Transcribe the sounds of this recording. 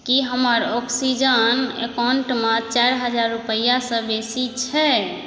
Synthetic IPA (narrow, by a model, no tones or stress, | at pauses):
kiɦəməɾɔksid͡ʒənḛkawɳʈmãt͡ʃaɾɦəd͡ʒaɾːupəjasə̃besit͡ʃʰɛ